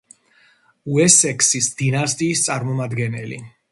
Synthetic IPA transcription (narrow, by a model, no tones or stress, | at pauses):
uɛsɛkʰsisd̪̥inast̪ʼiːst̪sʼaɾmɔmad̪ɡɛnɛlḭ